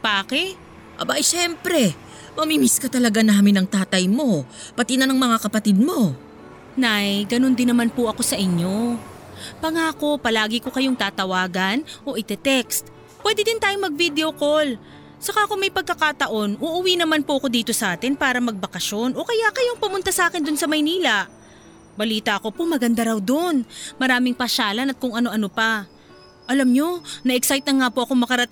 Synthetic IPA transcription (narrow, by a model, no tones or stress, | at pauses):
paːkɛ | ʔɐ̰baʔjʃɛmpɾɛ | mɐmimiskɐt̪ɐlɐɡanaːmɪnɐŋt̪aːt̪ɐjmo̞ | pɐt̪inɐnɐŋmɐŋakɐpɐt̪ɪd̪̚mo̞ | najɡɐno̞nd̪ɪnːɐmanpʊʔɐko̞sɐʔɪɲjo̞ | pɐŋaːko̞pɐlaːɡɪko̞kɐjo̞ŋt̪aːt̪ɐwaːɡɐnʔo̞ʔɪt̪ɛt̪ɛkst̪ | pːwɛːd̪ɪd̪ɪnt̪aːjomɐɡ̚vid̪ɛo̞ko̞l | sɐkakoŋmɐjpɐɡ̚kːɐkat̪ɐʔo̞nʔuʔʊwiːnɐmanpoʔɐko̞d̪iːt̪o̞sɐʔaːt̪ɪnpaːɾɐmɐɡ̚bɐkɐʃo̞nʔo̞kɐjaʔkɐjoŋpʊmʊnt̪asɐʔaːkɪnd̪onsɐmɐjniːlɐ | bɐliːt̪ɐʔɐko̞pomɐɡɐnd̪aɾɐwd̪onmɐɾaːmɪŋpɐʃaːlɐnɐt̪̚kʊŋʔɐno̞ʔɐno̞pɐ | ʔɐlɐmɲo̞nɐʔɛksajt̪̚nɐŋːapoʔɐko̞ŋmɐkɐɾɐt̪